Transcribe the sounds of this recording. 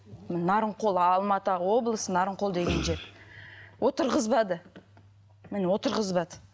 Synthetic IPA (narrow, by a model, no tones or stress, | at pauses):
mnɑɾəɴqʰo̞lˠɑlˠmɑt̪əwo̞blˠəsənɑɾəɴqʰod̪e̞ɡʲe̞nʒe | wʔo̞t̪əɾʁəzbɑd̪ə | mɪnwo̞t̪əɾʁəzbɑd̪ə